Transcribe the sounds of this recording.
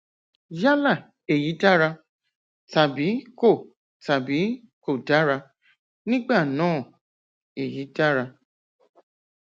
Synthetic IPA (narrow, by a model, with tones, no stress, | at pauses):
ja˦la˦˨ | e˨ji˨˦da˦ɾa˧ | ta˨bi˨˦ko˦˨ | ta˨bi˨˦ | ko˦˨da˨˦ɾa˧ | nĩ˦ɡ͡ba˦˨nãː˦˨ | e˨ji˨˦da˦ɾa˧